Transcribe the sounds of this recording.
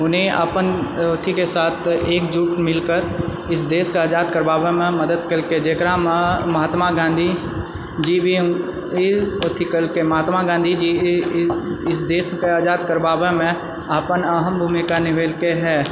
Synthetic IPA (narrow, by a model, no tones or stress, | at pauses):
ʊnɦẽə̰pənoːt̪ʰikesaːt̪ʰeːkd͡ʒuːʈmɪlkəɾ | ɪs̬d̪eːskeaːd͡ʒaːd̪̚kəɾbaːʋemẽmɐd̪əd̪kəɾked͡ʒeːkɾaməɦaːt̪maɡãːnd̪ʱi | d͡ʒibʱi | ot̪ʰikəlkemɐɦaːt̪maɡãːnd̪ʱid͡ʒi | ɪsd̪eːskeaːd͡ʒaːd̪kəɾbaːʋemẽ | əpənəɦəmbʱuːmikanɪʋeːlkeɦɛː